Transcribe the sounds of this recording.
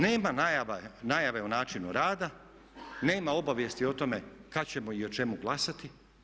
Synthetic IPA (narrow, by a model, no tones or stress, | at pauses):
ne̞ːmanajaʋanajaʋe̞onaːt͡ʃinṵɾaːd̪a | ne̞ːmao̞baʋje̞st̪io̞t̪o̞me̞kat͡ɕe̞moio̞t͡ʃe̞muɡlˠasat̪i